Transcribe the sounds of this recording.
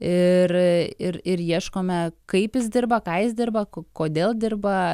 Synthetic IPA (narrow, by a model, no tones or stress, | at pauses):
ɪrɪɾɪɾjiɛʃkoːmʲɛkɐɪpjɪsd̪ʲɪrbɐkɑːjɪsd̪ʲɪrbɐkkoːd̪ʲeːlˠd̪ʲɪrbɐ